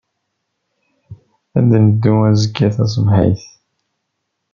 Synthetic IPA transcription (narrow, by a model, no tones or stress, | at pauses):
æðnəd̪ːuæzəɡːæθæs̬əmhḭjθ